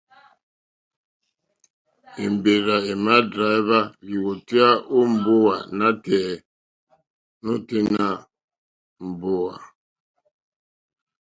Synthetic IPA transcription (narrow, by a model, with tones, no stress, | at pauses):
e˨mbe˨ɾa˨e˨ma˦dɾa˨˦βa˦li˨wo˨ti˦a˦ʔo˦m̩˨bo˦wa˨na˦tɛː˨ | no˦te˦na˦ | m̩˨bo˦wa̰˨